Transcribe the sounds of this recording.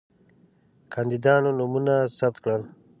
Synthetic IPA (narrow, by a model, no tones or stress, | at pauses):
kʰand̪id̪ɑːnonumunasap̚t̪̚kɽəl